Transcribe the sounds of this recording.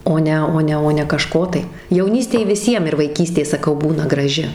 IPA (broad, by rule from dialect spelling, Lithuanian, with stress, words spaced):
ˈoː nʲɛ ˈoː nʲɛ ˈoː nʲɛ kɐˈʃkoː tɐɪ jɛʊˈnʲiːsʲtʲeːj ʋʲɪˈsʲiɛm ɪr ʋɐɪˈkʲiːsʲtʲeː sɐˈkɐʊ ˈbuːnɐ ɡrɐˈʒʲɪ